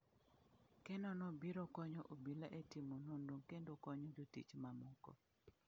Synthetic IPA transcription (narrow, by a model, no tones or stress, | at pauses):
kɛnɔnɔbiɾɔkɔɲɔʔobilaʔetimonondoŋkendokɔɲɔd͡ʒotḭt͡ʃmamɔkɔ̰